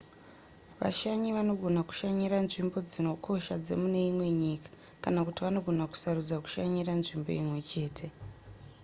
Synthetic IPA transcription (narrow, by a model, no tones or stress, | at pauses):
ʋa̰ʃaɲiʋano̞ɡʱo̞naku̥ʃaɲiɾanʐimbo̞d͡zino̞kʰo̞ʃad͡ze̞̰mune̞imwe̞ɲiːkḁ | kanakutiʋano̞ɡʱo̞naku̥saɾud͡zaku̥ʃaɲiranʐimbo̞̰imwe̞t͡ʃe̞ːtʰe̞